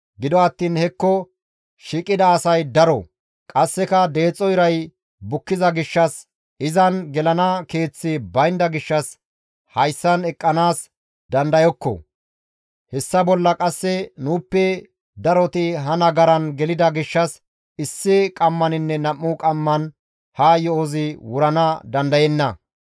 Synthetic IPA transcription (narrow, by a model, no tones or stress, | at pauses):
ɡɪd̪ɔɐt̪ːiːnhɛkːɔ | ʃiːkʼːɪd̪ɐːsɐjd̪ɐɾɔ | kʼɐsːɛkɐd̪e̞ːt͡sʼːɔjɾɐj | bʊkːɪzɐɡɪʃːɐs | ɪzɐnɡɛlɐnɐke̞ːt͡sːɪbɐjnd̪ɐɡɪʃːɐs | hɐjsːɐnɛkʼːɐnaːs | d̪ɐnd̪ɐjɔkːɔ̰ | hɛsːɐbɔlːɐkʼɐsːɛnuːpːɛ | d̪ɐɾɔt̪ɪɦɐnɐɡɐɾɐnɡɛlɪd̪ɐɡɪʃːɐs | ɪsːɪkʼɐmːɐnɪnːɛnɐmːʊkʼɐmːɐn | haːjɔozɪwʊɾɐnɐd̪ɐnd̪ɐjɛnːɐ̰